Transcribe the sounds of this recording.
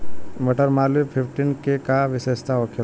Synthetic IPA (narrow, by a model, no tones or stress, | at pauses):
mɐʈəɾmaːlupʰɪpʰʈinkekaʋɪʃeːʃt̪aoːkʰə